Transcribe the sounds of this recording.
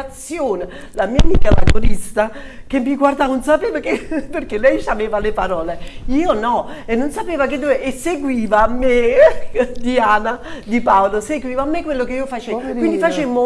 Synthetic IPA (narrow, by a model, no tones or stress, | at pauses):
at̪sːjoːne | lamiːamiːkala̰lɡoɾist̪akemːiɡward̪aːnonsapeːvakeperkelːɛjsaveːvalepaɾɔːleiːonɔenːonsapeːvaked̪ːuːeʔeseɡwiːvaːmːe | d̪iaːnad̪ipaoloseɡwiːvaːmːekːwelːokeiːofat͡ʃekwind̪ifat͡ʃemo